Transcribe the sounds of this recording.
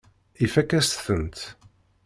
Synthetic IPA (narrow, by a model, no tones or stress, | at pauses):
ifækːæst̪θənt̪